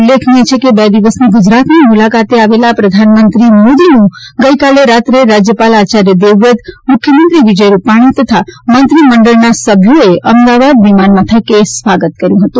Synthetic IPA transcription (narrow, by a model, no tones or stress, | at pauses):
lːekʰnĩt͡ʃʰekebɛd̪iʋəsniɡʊd͡ʒɾat̪nimulakat̪eaʋelapɾəd̪ʱanmənt̪ɾimod̪inũɡəikaleɾat̪ɾeɾad͡ʒjəpalat͡ʃaɾjəd̪eʋət̪mʊkʰːjəmənt̪ɾiʋid͡ʒəjɾupaɽ̃it̪ət̪ʰamənt̪ɾiməɳɖəɭnasəbʱjoeʔəmd̪aʋad̪ʋimanmãt̪ʰəkesʋaɡət̪̚kəɾjũɦət̪ũ